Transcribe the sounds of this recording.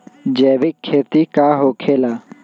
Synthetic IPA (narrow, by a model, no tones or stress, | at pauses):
d͡ʒeːʋɪkʰːeːt̪ikaːɦoːkʰeːlaː